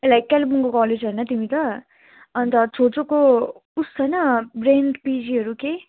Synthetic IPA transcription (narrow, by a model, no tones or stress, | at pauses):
elajkːalibunkokɔled͡zɦʌjnʌt̪imit̪ʌ | ʌnt̪ʌt͡sʰot͡soko | ust͡sʰʌjnʌbreɳɖpid͡ziɦʌɾuke